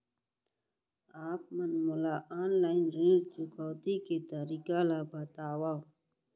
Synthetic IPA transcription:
aːp̚mɐnmʊlaːʔaːnlaːɪnɾeːt͡ʃʊkɔwt̪iket̪əɾikalabət̪aːwaː

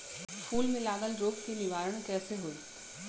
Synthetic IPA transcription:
fuːlmẽlaːɡəlɾoːkk̪enɪʋaːɾəɽ̃kɛːseɦoːi

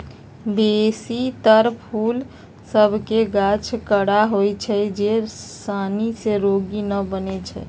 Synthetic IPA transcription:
d̪esit̪əɾpʰul | səbʱkeɡat͡ʃʰkəɽaɦojt͡ʃʰɛd͡ʒesaniseɾoɡinəbənet͡ʃʰɛ̰

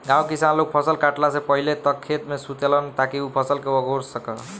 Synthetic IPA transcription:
ɡãwkisanlok̚pʰʌsʌlkaʈlasẽpʌɦilet̪ʌkʰːet̪mesut̪elʌnt̪akiupʰʌsʌlkeʌɡʱoɾsʌkʌ

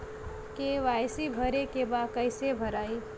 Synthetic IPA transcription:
keʋajsibʱəɾekebakəɪsebʱəɾaːi

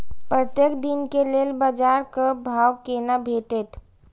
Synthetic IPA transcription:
pɾət̪jekd̪inkeleːlbad͡ʒaːɾkəbʱaːwkeːnabʱeːʈet̪ʰ

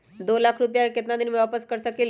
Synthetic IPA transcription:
d̪olakʰɾupjaket̪nad̪inməʋapəskəɾsəkel

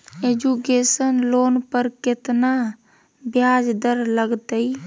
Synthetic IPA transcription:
ed͡ʒukesənloːnpəɾkɪt̪na | bjad͡ʒd̪əɾləɡt̪əi

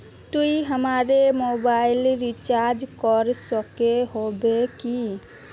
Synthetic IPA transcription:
t̪uiɦəmaɾemobailɾit͡ʃaɾd͡ʒkɔɾsəkeɦobeki

